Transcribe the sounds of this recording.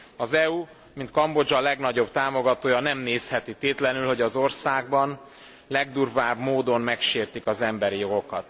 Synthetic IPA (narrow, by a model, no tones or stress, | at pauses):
ɒzɛu | mint̪kɒmbo̞d͡ʒɒlɛɡnɒɟo̞bt̪aːmo̞ɡɒt̪oːjɒnɛmneːshɛt̪it̪eːt̪lɛnylho̞ɟɒzo̞rsaːɡ̚bɒn | lɛɡd̪urvaːbmoːd̪o̞mmɛkʃeːrt̪ikɒzɛmbɛɾijo̞ɡo̞kɒt̪